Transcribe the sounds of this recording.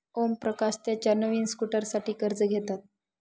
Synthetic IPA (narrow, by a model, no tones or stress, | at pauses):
ompɾəkast̪jat͡ɕanəʋiːnskuʈəɾsaʈiːkəɾd͡zəɡʱet̪at̪̚